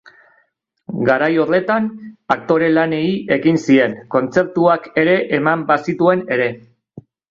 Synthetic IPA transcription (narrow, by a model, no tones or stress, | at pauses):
ɡaɾajo̞ɾðe̞t̪anak̚t̪o̞ɾe̞lane̞iʔe̞ɣinsie̞ŋko̞nt͡se̞p̚t̪uake̞ɾe̞ʔemambasit̪ue̞ne̞ɾe̞